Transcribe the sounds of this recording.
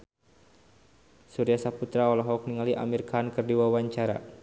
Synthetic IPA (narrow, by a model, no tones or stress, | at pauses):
suɾiasaput̪ɾaɔlɔɦɔk̚niŋaliʔa̰mirkankɨrdiwawaɲt͡ʃaɾa̰